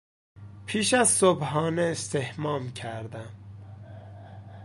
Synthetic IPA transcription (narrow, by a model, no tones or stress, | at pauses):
pʰiːʃæzsobhɒːneːst̪ʰehmɒːmcʰæɾd̪æm